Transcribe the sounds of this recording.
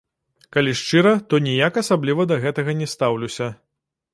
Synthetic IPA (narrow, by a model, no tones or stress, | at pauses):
kalʲiʂt͡ʂɨɾɐt̪ɔnʲijakasablʲivɐd̪ɐɣɛt̪ɐɣɐnʲɛst̪awlʲusʲɐ